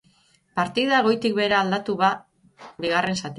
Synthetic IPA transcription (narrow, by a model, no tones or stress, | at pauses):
paɾt̪ið̞aɣ̞o̞jt̪ik̚be̞ɾaːld̪at̪uβa | biɣ̞are̞nsat̪